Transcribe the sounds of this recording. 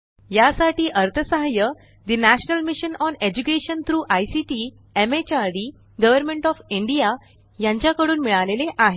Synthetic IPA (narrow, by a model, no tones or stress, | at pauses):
jasaʈiːʔəɾt̪ʰəsaɦjə | d̪inæɕnəlmiɕənɔned͡ʑukeɕənt̪ʰɾuːʔajsiʈiː | emet͡ɕaɾɖi | ɡəʋəɾmeɳʈɔfiɳɖija | jãɲt͡ɕjakəɽuːnmiɭaleleʔaɦe